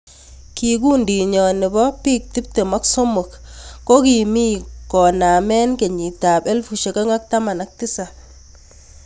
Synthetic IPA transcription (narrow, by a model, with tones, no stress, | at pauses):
ki˨k̬u˦ndi˨ɲɔ˨nɪ˨bɔ˦pi˦k̚ti˦p̚te˨mɔ˦kso˦mo˨kːo˦ki˨mi˦kɔ˨na˨mɛ˦nke˨ɲi˨p̚ta˨pe˦lfu˨ʃe˨ka˦ŋa˦k̚ta˦ma˨na˨k̚tɪ˦sa˨